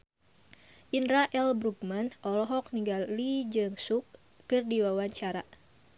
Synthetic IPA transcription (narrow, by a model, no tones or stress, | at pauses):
ʔinɾaʔɛlbɾuk̚manɔlɔɦɔk̚niŋɡalːid͡ʒɨŋsukː | ɨrdiwawaɲt͡ʃaɾa̰